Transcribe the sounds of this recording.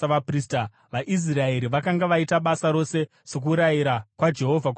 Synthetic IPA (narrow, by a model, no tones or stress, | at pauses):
ʋapriːsta | ʋaʔis̬rae̞ɾiʋakaŋɡaʋaitaɓasaɾo̞se̞ | se̞k̬uɾajiɾakwad͡ʒe̞ɦo̞vʱak